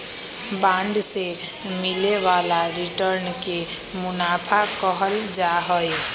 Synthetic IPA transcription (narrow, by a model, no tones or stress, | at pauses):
bãɳɖse | mileʋalaɾiʈəɾnke | mʊnapʰakɔɦəld͡ʒaɦɔe